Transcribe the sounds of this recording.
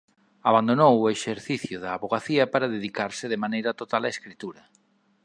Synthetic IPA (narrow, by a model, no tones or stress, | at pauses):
aβand̪onowʊeʃeɾθiθjʊðaːβoɣaθiɐpaɾaðeðikaɾsɪðemanejɾɐt̪ot̪alaeskɾit̪uɾɐ